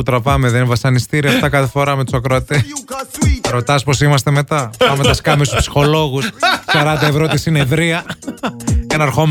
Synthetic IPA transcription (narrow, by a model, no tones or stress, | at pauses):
ut̪ɾɐpɐmeðenvɐsɐnist̪iɾiɐft̪ɐkɐθefo̞ɾɐmet̪u̥sɐkɾoɐt̪es | ɾo̞t̪ɐspo̞simɐst̪emet̪ɐpɐmet̪ɐskɐmist̪u̥spsi̥xo̞lo̞ɣussɐɾɐnd̪ɐevɾo̞t̪isine̞ðɾiɐ | cenɐɾxo̞m